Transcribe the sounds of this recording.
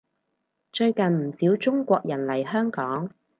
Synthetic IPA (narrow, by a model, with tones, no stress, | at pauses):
t͡ʃɵ˧ɥkɐ˨nm̩˨˩siː˨˥wt͡ʃʊ˥ŋkʷɔː˧k̚jɐ˨˩nlɐ˨˩jɦœː˥ŋkɔː˨˥ŋ